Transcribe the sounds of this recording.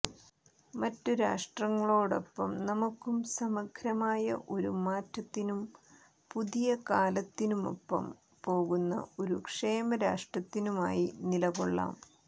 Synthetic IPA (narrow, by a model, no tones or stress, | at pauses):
mɐtːuɾaːʂʈrɐŋːɐɭoːɽo̞̰pːɐmnɐmukːumsɐmɐkʰɾɐmaːjɐ̰ʔo̞ɾumaːtːɐt̪ːinum | puðijɐkaːlɐt̪ːinumo̞̰pːɐ̰m | po̞ːɣunːɐ̰o̞ɾukʂe̞ːmɐɾaːʂʈrɐt̪ːinuma̰ːjinilɐɣoɭːa̰ːm